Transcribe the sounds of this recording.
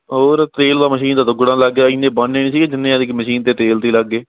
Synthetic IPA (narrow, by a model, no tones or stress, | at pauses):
ɦoːɾt̪eːld̪aːməʃiːnd̪aːt̪ʊɡɽãːləɡeːiːnẽːbənːeːnĩːsiːẽd͡ʒɪnːẽːãːd̪ɪkməʃiːnt̪eːt̪eːlt̪eːləɡːeː